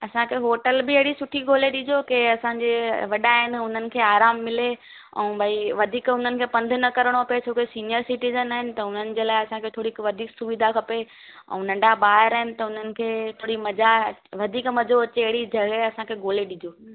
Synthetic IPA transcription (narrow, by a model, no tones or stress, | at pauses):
ɐsãkʰeːɦoːʈəlbɪɐɦɪɽisʊʈʰiɡʱoːleɗid͡ʑokeɐsãɲd͡ʑeʋɐɗaːɦɪnɪ̆ʊn̤ənɪ̆kʰeːaːɾaːmːɪle | ɛ̰̃ũbʱɐiʋɐd̪ʱiːkʊn̤ənɪ̆kʰeːpɐ̃nd̪ʱʊnɐkɐɾəɽ̃oɐpet͡ɕʰoːkesiːnijəɾsɪʈizənaːɦɪnɪ̆t̪ɐʊn̤ənɪ̆d͡ʑeːlaːɪɐsãkʰeːt̪ʰoːɽiʋɐd̪ʱiːksʊʋid̪ʱakʰɐpe | ɛ̰̃ũnɐ̃ɳɖaɓaːɦɪɾaːɦɪnɪ̆t̪ɐʊn̤ənɪ̆kʰeːt̪ʰoːɽimɐd͡ʑaʋɐd̪ʱiːkmɐd͡ʑoɐt͡ɕeɐɦɪɽid͡ʑʱɐɡeɐsãkʰeːɡʱoːleɗid͡ʑʱoː